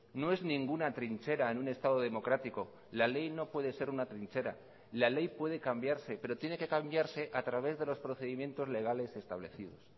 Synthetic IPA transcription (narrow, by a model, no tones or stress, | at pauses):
no̞e̞znĩŋɡunat̪ɾint͡ʃe̞ɾaenune̞st̪að̞o̞ð̞e̞mo̞kɾat̪iko̞ | lale̞jno̞pwe̞ðe̞se̞ɾunat̪ɾint͡ʃe̞ɾa̰ | lale̞jpwe̞ð̞e̞kambjaɾse̞pe̞ɾo̞t̪je̞ne̞ke̞kambjaɾse̞ʔat̪ɾaβ̞e̞zðe̞lo̞spɾo̞θe̞ðimje̞nt̪o̞zle̞ɣ̞ale̞se̞st̪aβle̞θið̞o̞̰s